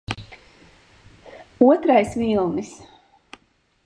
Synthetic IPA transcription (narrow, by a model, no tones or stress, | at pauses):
uɔt̪ɾajsvilˠnis